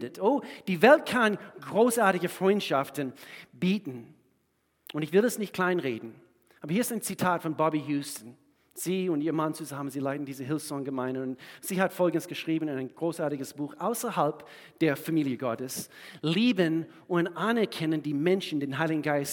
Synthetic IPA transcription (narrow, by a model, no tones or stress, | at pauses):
dətoːd̥iːvɛlt̚kʰãnɡʁoːsaɐtɪɡəfʁ̥ɔ̃ʏ̃ntʃaftn̩b̥iːtn̩ | ʊ̃ntɪçv̥ɪlɛsnɪçt̚kʰl̥aɪ̃nʁeːdn̩ | ʔaːbɐhiəɪstaɪnt͡sitʰaːtfɔ̃nbɔbijuːstn̩ | z̥iːʊ̃ntiːɐmãnt͡suzamənziːlaɪtn̩diːzəɦɪlfsɔŋɡəmãɪ̃ndəʊ̃nz̥iːhatfɔlˠɡn̩dəsɡ̥əʃʁ̥iːbn̩ɪ̃nãɪ̃nɡ̥ʁoːsaɐtɪɡəsb̥uːxaʊsəhalp | d̥eːɐfamiːljəɡɔtəsliːbən | ʊ̃ndanɛɐkʰɛnə̃ndiːmɛ̃nʃn̩deːnɦaɪlɪɡŋ̩ɡaɪs